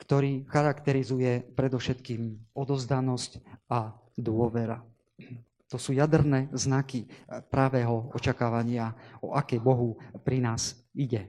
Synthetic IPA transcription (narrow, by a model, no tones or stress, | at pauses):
kt̪ɔɾiːxaɾakt̪ɛɾizujɛpɾɛd̪ɔfʃɛt̪kiːmɔd̪ɔzd̪anɔsca | d̪ʊɔʋɛɾa | t̪ɔsuːjad̪ɾnɛːznakipɾaʋɛːɦɔɔt͡ʃakaːʋaɲɪaɔʔakɛjbɔɦupɾinaːziɟɛ